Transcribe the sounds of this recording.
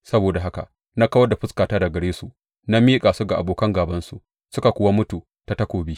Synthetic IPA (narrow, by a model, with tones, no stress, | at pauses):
sɐ˦boː˨da˨ɦa˦ka̰˨ | na˦kɐ˦wɐ˦da˨ɸʊ˦skaː˨taː˦da˨ɡɐ˨ɽeː˦su˨ | na˦miː˦kʼaː˨su˦ɡa˨ʔa̰˨boː˨kɐ˦ŋɡaː˨bɐ˦nsu˨ | sʊ˦ka˨kʷʊ˦wa˦mʊ˦tuː˨ | ta˦tɐ˦kʷoː˨biː˦